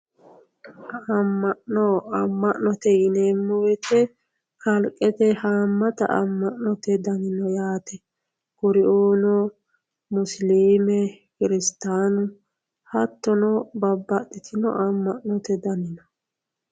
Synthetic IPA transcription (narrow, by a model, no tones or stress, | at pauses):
ɐmːɐʔnɔɐmːɐʔnɔt̪ɛjɪneːmːɔwɛt̪ʰɛ | kɐlkʼːɛt̪ɛhamːɐt̪ɐ̰ʔɐ̰mːɐʔnɔt̪ɛd̪ɐnɪnɔjaːt̪ɛ | kʊɾɪʔuːnɔ | mʊsliːmɛ | kɪɾɪst̪aːnʊ | hɐt̪ːɔnɔbɐbːɐt̪ːɪt̪ʰɪnɔ̰ʔɐmːɐʔnɔt̪ɛd̪ɐnɪnɔ